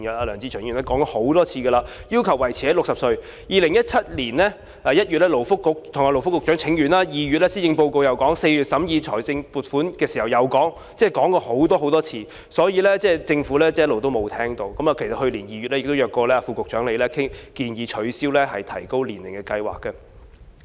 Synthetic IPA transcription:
jɐ˨aː˧lœː˨˩ŋt͡si˧ɔː˨˩˨ŋyː˨˩nɛː˥kɔ˨˥ŋkɔ˧ho˨˥wt̪ɔː˥t͡sʰiː˧ɡə˧laː˧jiː˥wkʰɐ˨˩wːɐ˨˩jt͡sʰiː˨ɛ˦˥lʊ˨ksɐ˨p̚sɵ˧ɥ | jiː˨lɪ˨˩ŋjɐ˥t̚t͡sʰɐ˥t̚liː˨˩nlɛː˥ | ɛː˨jɐ˥t̚jyː˨t̚lɛ˥lo˨˩wfʊ˥kːʊ˨k̚t̪ʰʊ˨˩ŋaː˧lo˨˩wfʊ˥kːʊ˨t͡ʃœː˨˥ŋt͡sʰɪ˨˥ŋjyː˨˩nlaː˧jiː˨ɥy˨t̚lɛː˥si˥jɪ˧ŋpo˧wko˧wjɐ˨˩wkɔː˨˥ŋse˧jɥy˨t̚sɐ˨˥mjiː˧t͡ʃʰɔː˨˩jsɪ˧ŋpuː˨t̚fuː˨˥nkɛː˧siː˨˩hɐ˨˩wjɐ˨wkɔː˨˥ŋ | t͡sɛː˥˩kɔː˨˥ŋkɔː˧ho˨˥wt̪ɔː˥ɦo˨˥wt̪ɔː˥t͡sʰiː˧ | sɔː˨˥jiː˨˧lɛː˥t͡sɛː˥˩t͡sɪ˧ŋfuː˨˥lɛː˥t͡sɛː˥˦jɐ˥lo˨wt̪̬o˥wmo˨˧wt̪ʰɛː˥ŋt̪o˧wkɐ˨˥maː˨kʰe˨˩jsɐ˨t̚hɵ˧liː˨˩njiː˨˩ɥyː˨t̚lɛ˥jɪ˨k̚t̪wjœː˨˩kːɔː˧lɛː˥a˨˧fuː˧kʊ˨k̚t͡ʃœː˨˥ŋle˨˧jlɛː˥kʰɪ˥ŋkiː˧njiː˨˧t͡ʃʰɵ˨˥ɥsiː˥wlɛː˥hɐ˨jt̪ʰɐ̰˨˩jko˥wliː˨˩nlɪ˨˩ŋkɛː˧kɐ˧jwa̰ː˨˩kːɛ˧

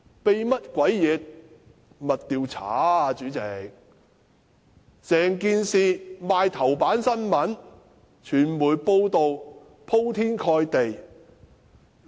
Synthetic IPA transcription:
pe˨jmɐ˥t̚kʷɐ˨˥jjɛː˨˧t̚ | mɐ˨t̚t̪iː˨wt͡sʰa̰ː˨˥˨t͡ʃyː˨˧˥t͡sɛ˨˩k̚ | sɛː˨ŋkiː˧nsiː˨˧maː˧jt̪ʰɐ˨˩wpaː˨˥nsɐ˥nmɐ˨˥n | t͡ʃʰyː˨˩nmuː˨˩jpo˧wt̪o˨w | pʰo˥wt̪ʰiː˥nkʰɔː˧jt̪e˨j

